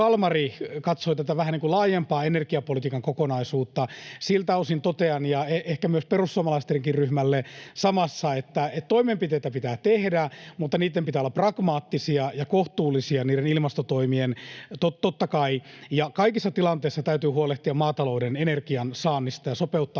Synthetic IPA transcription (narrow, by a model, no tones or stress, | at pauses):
ɑlmɑrikɑt̪soit̪æt̪æʋæhæniŋkulɑːjempɑːenerkiɑpolit̪iːkɑŋkokonɑisuːt̪ːɑsilt̪æosint̪ot̪eɑnjɑeehkæmyøsperusːuɑmɑlɑist̪eriŋkirryhmælːesɑmɑsːɑet̪ːæet̪t̪oimempit̪eit̪æpit̪æːt̪ehdæmut̪ːɑniːt̪ːempit̪æːlːɑprɑɡ̥mɑːt̪ːisiɑjɑkoht̪uːlːˑisiɑniːɾenilmɑst̪ot̪oimient̪ot̪ot̪ːɑkɑijɑkɑikisːɑt̪ilɑnt̪eisːɑt̪æyt̪yːhuoleht̪iɑmɑːt̪ɑloudenenerkiɑnsɑːnːist̪ɑjɑsopeut̪ːɑː